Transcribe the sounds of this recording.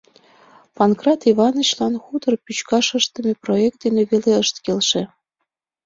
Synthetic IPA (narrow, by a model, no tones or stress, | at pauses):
pɑnkrɑt̪ivɑnɤ̆t͡ɕlɑnxut̪ɤ̆rpyt͡ɕkɑʃɤʃt̪ə̆mʲeproek̚t̪d̪eneβeleəʃt̪kelʃĕ